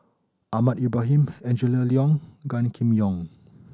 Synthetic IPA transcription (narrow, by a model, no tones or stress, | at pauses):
ʔamãt̚ibɾaɦĩmɛ̃nd͡ʒələliɔ̃ŋɡãnkʰĩmjɔ̃ŋ